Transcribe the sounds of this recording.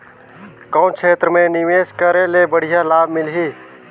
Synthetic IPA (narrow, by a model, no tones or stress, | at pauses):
kaʊnt͡ʃʰeːt̪ɾəmẽnɪʋeːskəɾelebəɽ̤ijalaːbmɪlɦiː